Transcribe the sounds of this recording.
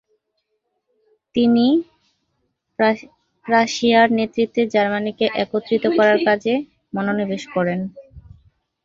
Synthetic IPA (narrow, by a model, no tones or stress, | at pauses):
t̪ini | ɾaʃiaɾnet̪ːɾit̪ːed͡ʑaɾmanikeʔɛkot̪ːɾit̪okɔɾaɾkad͡ʑe | mɔnonib̪eʃkɔɾen